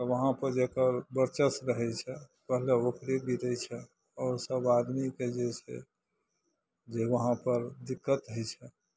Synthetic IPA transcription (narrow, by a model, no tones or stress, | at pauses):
əʋəɦãpəɾd͡ʒekəɾbəɾt͡ʃəsɾəɦɛt͡ʃʰɛpəɦleokɾibʱiɾəjt͡ʃʰɛ | ɔːɾsəbad̪miked͡ʒet͡ʃʰɛ̰ | d͡ʒeʋəɦãpəɾd̪ikːət̪ɦəjt͡ʃʰɛ